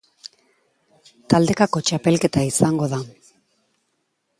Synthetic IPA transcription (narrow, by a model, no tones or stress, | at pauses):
t̪ald̪e̞kako̞t͡ʃape̞lke̞t̪aisaŋɡo̞ða